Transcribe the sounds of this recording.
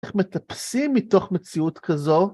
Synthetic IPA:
χme̞t̪apsimːit̪o̞χme̞t͡siut̪kazo̞

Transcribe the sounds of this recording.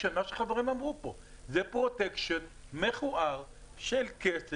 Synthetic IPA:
enmaʃeχaveʁimamʁupo̞ | zepʁotekʃonmeχuʔaʁ | ʃelkes

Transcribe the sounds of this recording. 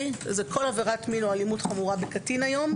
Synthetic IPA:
ʃezekʰo̞laveʁatminualimutχamuʁabekatinajo̞m

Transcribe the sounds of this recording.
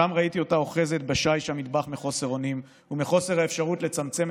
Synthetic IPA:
amʁait̪io̞tao̞χe̞zet̪baʃajʃamid̪baχmeχo̞se̞ʁo̞nim | umeχo̞se̞ʁhaefʃaʁutle̞t͡samt͡se̞m

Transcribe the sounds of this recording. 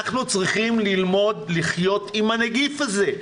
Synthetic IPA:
aχnut͡sʁiχimlilmo̞d̪liχjo̞t̪imaneɡifaze̞

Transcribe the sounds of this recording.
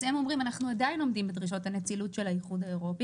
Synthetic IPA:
zhemo̞mʁimanaχnuadaino̞mdimbed̪ʁiʃ̬o̞thanet͡silutʃelaiχudae̞ʁo̞pi

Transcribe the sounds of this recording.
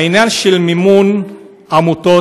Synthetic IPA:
injanʃelmimun | amut̪o

